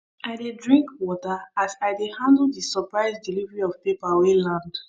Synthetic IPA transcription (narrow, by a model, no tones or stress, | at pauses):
aɪdedɹĩŋkwɔtaasaɪdehãndldisɔpɹaɪsdilivɹiɔvpepawelãnd